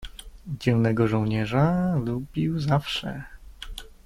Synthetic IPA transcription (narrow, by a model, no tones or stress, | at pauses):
d͡ʑɛwnɛɡɔʐɔwɲɛʐalubʲiwzafʂɛ̰